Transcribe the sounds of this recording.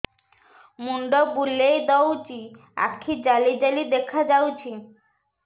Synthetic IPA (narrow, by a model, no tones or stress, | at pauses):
muɳɖɔbulːejd̪ɔwt͡ʃi | a̰kʰːid͡ʑalid͡ʑalid̪ekʰad͡ʒawt͡ʃʰi